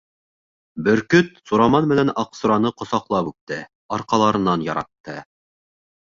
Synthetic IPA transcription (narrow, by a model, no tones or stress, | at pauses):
bɵ̆ɾkɵt̪suɾɑmɑnmɘ̆nænɑqsŏɾɑnɤqŏsɑqlˠɑpʉt̪ːɘ | ɑɾqɑlˠɑɾɤ̆nɑnjɑɾɑt̪ːɤ